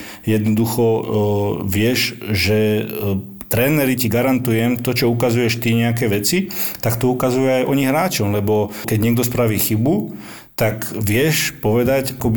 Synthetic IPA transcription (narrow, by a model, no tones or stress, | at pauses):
jɛd̪nɔd̪uxɔ | ʋɪɛʒʒɛ | t̪ɾɛːnɛɾiciɡaɾant̪ujɛmt̪ɔt͡ʃɔukazujɛʃt̪iɲɛak̬ɛːʋɛt͡sit̪akt̪ɔukazujuajʔɔɲiɦɾaːt͡ʃɔmlɛbɔkɛɟɲɪɛɡ̚d̪ɔspɾaʋiːxibu | t̪akʋɪɛʃpɔʋɛd̪acakɔb